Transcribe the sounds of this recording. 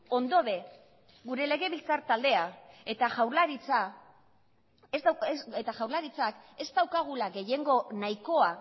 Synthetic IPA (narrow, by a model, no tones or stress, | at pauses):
o̞nd̪o̞βe̞ | ɡuɾe̞le̞ɣe̞βilt͡saɾt̪ald̪e̞ae̞t̪aʝawɾlaɾit͡sa | sset̪aʝawɾlaɾit͡sake̞zt̪awkaɣ̞ulaɣe̞je̞ŋɡo̞naiko̞a